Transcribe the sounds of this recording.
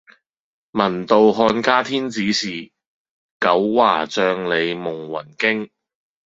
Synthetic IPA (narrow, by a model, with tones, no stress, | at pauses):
mɐ˨˩nt̪o˨wɦɔː˧nkaː˥t̪ʰiː˥nt͡siː˨˥siː˨ | kɐ˨˥wːaː˨˩t͡sœː˧ŋle˨˧jmʊ˨˩ŋwɐ̰˨˩nkɪ˥ŋ